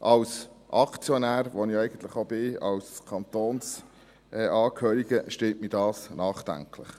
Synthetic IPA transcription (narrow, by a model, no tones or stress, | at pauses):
ʔɑwsʔɑkt͡sjɔnæːɾʋoniɛjɡ̥ən̩t̪ləχobɪɑ̰wskʰɑnt̪oːns | ʔɛʔɑːkʰhøːɾiɡ̥əʃteːtmiːdɑːsnɑːχd̥̪æ̰ŋklə̰χ